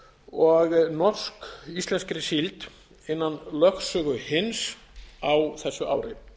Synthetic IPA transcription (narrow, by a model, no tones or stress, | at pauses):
ɔɣnɔrskist̪lɛnskɾɪsilt̪ | ɪnːanlœxsœːɣʏhɪns | awθɛsːʏʔa̰ːwɾɪ